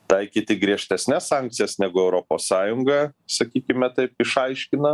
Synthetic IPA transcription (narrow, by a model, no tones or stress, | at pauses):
t̪ɐɪkʲiːt̪ʲɪɡɾʲiɛʃʲt̪ʲɛsʲnʲɛssɑŋk̚t̪sʲɪjɛsnʲæɡʊɛʊɾoːpoːssɑːjʊŋɡɐsɐkʲiːkʲɪmʲɛt̪ɐɪpɪʃɐɪʃʲkʲɪnɐ